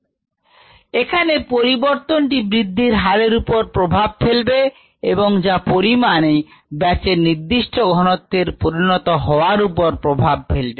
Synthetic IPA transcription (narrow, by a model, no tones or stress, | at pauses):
ekʰanepoɾiboɾt̪onʈibɾid̪ʱːiɾɦaɾeɾupoɾpɾobʱab̚felbe | eboŋd͡ʑapoɾimanebɛt͡ɕeɾniɾd̪iʃʈʰoɡʱɔnot̪ːeɾpoɾinɔt̪oɦɔoaɾupoɾpɾobʱab̚fʰelbe